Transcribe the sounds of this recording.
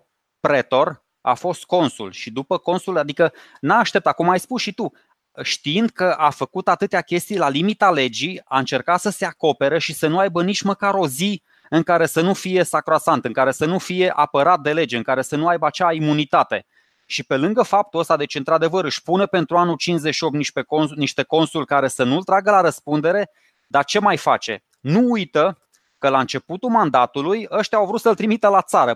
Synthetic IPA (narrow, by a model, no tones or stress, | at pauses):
pɾe̞t̪o̞r | a̰fo̞st̪̚ko̞nsṵlʃid̪upəko̞nsulad̪ikə | naːʃt̪e̞p̚t̪at̪̚kumajspusʃit̪u | ʃt̪iind̪̚kəʔafəkut̪at̪ɨt̪eakʲe̞st̪ijlalimit̪ale̞d͡ʒiaɨnt͡ʃe̞rkat̪səse̞ako̞pe̞ɾəʃisənuajbənit͡ʃʲməkaɾo̞zi | ɨŋkaɾe̞sənufije̞sakɾoasant̪ɨŋkaɾe̞sənufije̞ʔapəɾat̪̚d̪e̞le̞d͡ʒeɨŋkaɾe̞sənuajbəat͡ʃaimunit̪at̪e̞ | ʃipe̞lɨŋɡəfap̚t̪uəst̪ad̪e̞t͡ʃɨnt̪ɾad̪e̞vəɾɨʃʲpunepe̞nt̪ɾuanult͡ʃinszeʃio̞p̚t̪iʃekniʃt̪e̞ko̞nsulʲkaɾe̞sənult̪ɾaɡəlaɾəspund̪e̞ɾe̞ | d̪art͡ʃe̞majfa̰t͡ʃe̞̰ | nuujt̪ə | kəlaɨnt͡ʃe̞put̪umand̪at̪ulujəʃt̪jawvɾut̪səlt̪ɾimit̪elat̪saɾə